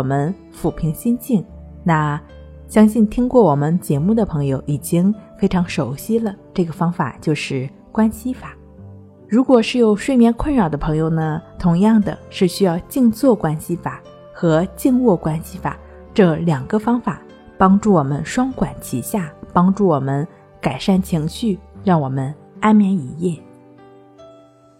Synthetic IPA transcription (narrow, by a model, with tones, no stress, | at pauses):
wɔ˨˩mə˦n | fu˨˩pʰi˧˥ŋɕi˥nt͡ɕi˥˩ŋ | na˥˩ | ɕjɑ˥ŋɕi˥˩nt̪ʰi˥ŋkwɔ˥˩wɔ˨˩mə˦nt͡ɕjɛ˧˥mu˥˩d̪ə˩pʰɤ˧˥ŋjo˧ʊʔi˨˩t͡ɕi˥ŋfe˥ɪʈ͡ʂʰɑ˧˥ŋʂo˨˩ʊɕi˥lə˨ʈ͡ʂɤ˥˩ɡə˩fɑ˥ŋfa̰˨˩t͡ɕjo˥˧ʊʂɻ̩˥˩ | kwa˥nɕi˥fa˨˩˦ | ɻu˧˥kwɔ˨˩ʂɻ̩˥˩jo˨˩ʊʂwe˥˧ɪmjɛ˥˧nkʰwə˥˩nɻɑ˨˩d̪ə˦pʰɤ˧˥ŋjo˧ʊnə˩t̪ʰʊ˧˥ŋjɑ˥˩ŋd̪ə̰˩ʂɻ̩˥˩ɕy˥jɑ˥˧ʊt͡ɕi˥˧ŋt͡swɔ˥˩kwa˥nɕi˥fa˨˩˦ | xɤ˧˥t͡ɕi˥˧ŋwɔ˥˩kwa˥nɕi˥fa̰˨˩˦ | ʈ͡ʂɤ˥˩ljɑ˨˩ŋɡə˦fɑ˥ŋfa˨˩ | pɑ˥ŋʈ͡ʂu˥˩wɔ˨˩mə̰˦nʂwɑ˥ŋkwa˨˩˦nt͡ɕʰi˧˥ɕja˥˩pɑ˥ŋʈ͡ʂu˥˩wɔ˨˩mə˦n | ka˨˩ɪʂa˥˩nt͡ɕʰi˧˥ŋɕy˥˧ɻɑ˥˩ŋwɔ˨˩mə˦n | a˥nmjɛ˧˥ni˨˩˦jɛ˥˩